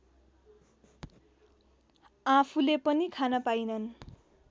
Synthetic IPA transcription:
apʰulepʌnikʰanʌpajnʌn

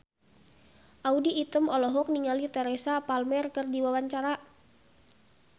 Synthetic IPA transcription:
ʔaudiːt̪əmɔlɔɦɔk̚niŋalit̪ɛɾesapalmɛrkərdiwawaɲt͡ʃaɾa

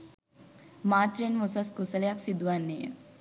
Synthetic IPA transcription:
maːt̪ɾenmusaskusələjaksid̪uʋanːejə̰

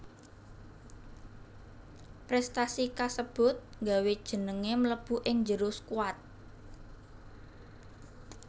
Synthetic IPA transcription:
pɾɛst̪asikasəb̥ʊ̤t̪̚ŋɡawed̥ʒ̥ə̤nəŋemləb̥ṳʔɪŋd͡ʒəɾʊskuat̪̚

